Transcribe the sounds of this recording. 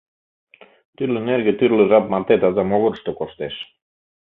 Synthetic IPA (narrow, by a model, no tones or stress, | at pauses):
t̪yɾleneɾɣet̪yɾlerap̚mart̪et̪azamoɣoɾʃt̪okoʃt̪eʃ